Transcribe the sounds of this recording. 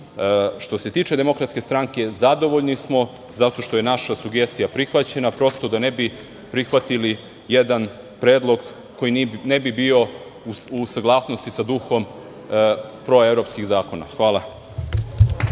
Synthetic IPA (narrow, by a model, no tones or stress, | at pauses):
ʃt̪o̞se̞t̪iːt͡ʃe̞d̪e̞mo̞kɾat̪skʲe̞st̪ɾaŋke̞zad̪o̞ʋo̞ʎnismo̞ | zat̪o̞ʃt̪o̞je̞naʃasuɡe̞st̪ijapɾixʋat͡ɕe̞napɾo̞st̪o̞d̪anebi | pɾixʋat̪ili | jed̪an | pɾeːd̪lˠoɡ | ko̞jinebibio̞ | uusaɡlˠaːsno̞st̪isad̪uxo̞m | pɾo̞evɾo̞pskiɣzaːko̞na̰xʋaːlˠa